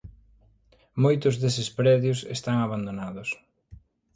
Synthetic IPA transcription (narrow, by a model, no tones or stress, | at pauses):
mojt̪ʊzðesɪspɾɛðjʊsest̪aŋaβand̪onaðʊs